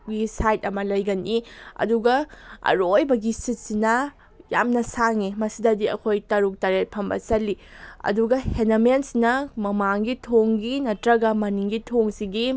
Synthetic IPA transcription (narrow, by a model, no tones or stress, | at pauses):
ɡisajt̚ɐmɐlɐjɡɐniɐ̰duɡɐɐ̰ɾojbɐɡisit̚sinɐ | ja̰mnɐsaŋimɐsidɐdiɐ̰kʰojtɐɾuk̚taɾet̚pʰɐmbɐ̰sɐlːiɐ̰duɡɐhenɐmensinɐmɐmaŋɡitʰoŋɡinɐtɾɐɡɐmɐniŋɡitʰoŋsiɡi